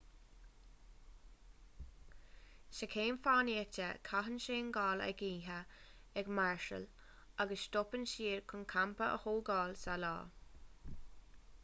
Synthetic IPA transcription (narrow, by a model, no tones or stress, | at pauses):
ʃəkʰeːnfaːniət͡ʃəkʰaɦənʃeːnɡɑːlə̰ɡiːɦə | ɛɡmaɹʃə̰l | aɡəsʃt̪ɔpənʃiːɹkʰʊnkʰampəʔə̰hoːɡɑːlsalɑ̰ː